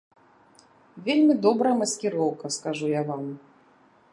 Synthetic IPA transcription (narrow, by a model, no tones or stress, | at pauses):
vʲelʲmʲid̪ɔbɾɐmɐskʲiɾɔwkɐskaʐujavam